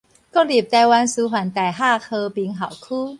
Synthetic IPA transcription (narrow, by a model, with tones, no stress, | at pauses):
ko˥˩li˨˩p̚t̪a˧jwa˧nsu˧ɦwa˨˩nt̪a˨˩jɦaː˥˩kʰɤ˧pi˧ŋɦa˨˩wkʰuː˥˧˨